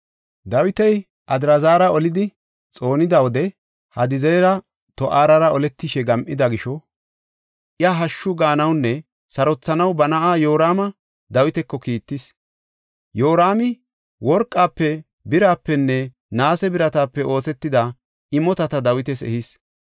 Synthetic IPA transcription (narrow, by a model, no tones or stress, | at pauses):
d̪ɐwɪt̪ɛj | ʔɐd̪ɾɐzaːɾɐɔlɪd̪ɪ | t͡sʼo̞ːnɪd̪ɐwɔd̪ɛ | hɐd̪ɪzɛjɾɐ | t̪ɔʔaːɾɐɾɐɔlɛt̪ːɪʃɛɡɐmʔɪd̪ɐɡɪʃɔ | ʔɪjaɦɐʃːʊɡaːnɐwnːɛ | sɐɾɔt͡sːɐnɐwbɐnɐʔaːjo̞ːɾaːmɐ | d̪ɐwɪt̪ɛkːɔkiːt̪ːɪs | jo̞ːɾaːmɪ | wɔɾkʼːaːpːɛ | bɪɾaːpːɛnːɛ | naːsɛbɪɾɐt̪aːpːɛʔo̞ːsɛt̪ːɪd̪ɐ | ɪmɔt̪ɐt̪ɐd̪ɐwɪt̪ɛsɛ̰hɪs